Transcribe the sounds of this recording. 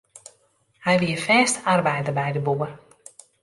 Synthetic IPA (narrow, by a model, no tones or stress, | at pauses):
hɛjʋiəfɛːstarbɛjdəbɛjdəbuər